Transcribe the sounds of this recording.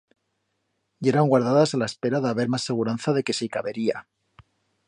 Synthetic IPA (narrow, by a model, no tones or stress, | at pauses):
eɾaŋɡwaɾð̞aðasalae̞spe̞ɾaðeaβe̞ɾmasːe̞ɣ̞uɾanθaðe̞ke̞sikaβe̞ɾia